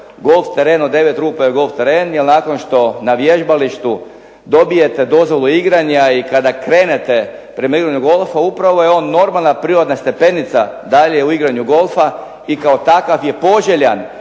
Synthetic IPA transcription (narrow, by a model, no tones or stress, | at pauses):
ɡo̞lft̪eɾe̞ːnod̪e̞ʋet̪ɾuːpajeɡo̞lˠft̪eɾeːnjelnako̞nʃt̪o̞naʋje̞ʒbaliʃt̪u | d̪o̞bije̞t̪e̞d̪o̞zʋo̞lˠuiɡɾaɲaikad̪akɾe̞ːne̞t̪e̞ | pɾe̞maiɡɾaɲuɡo̞lˠfaupɾaʋo̞jeo̞ːnːo̞ɾmalnapɾiːɾod̪nast̪e̞pe̞nit̪sad̪aʎeeuiɡɾaɲuɡo̞lˠfa | ikaot̪akafje̞po̞ʒeʎan